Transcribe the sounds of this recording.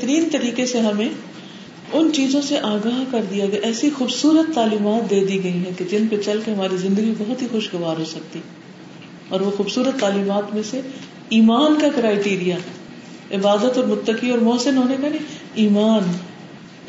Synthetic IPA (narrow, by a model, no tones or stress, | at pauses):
t̪əɾiːnt̪ɐɾiːkeseɦɐmẽ | ʊnt͡ʃiːzõseʔaːɡaːɦkɐɾd̪ijaɡɛaʔɛːsixuːbsuːɾət̪ːaːliːmaːt̪̚d̪eːd̪iɡɐiɦɛ̃ked͡ʒɪnpet͡ʃɐlkeɦɐmaːɾizɪ̃nd̪əɡibɐɦʊt̪ɦixʊʃɡɐʋaːɾɦosɐk̚t̪i | ɔːɾʋoxuːbsuːɾət̪ːaːliːmaːt̪mẽse | iːmaːnkakɪɾaːɪʈiːɾija | ɪbaːd̪ət̪ɔːɾmʊt̪ːəkiɔːɾmɔːsɪnɦoːnekanẽiːmaːn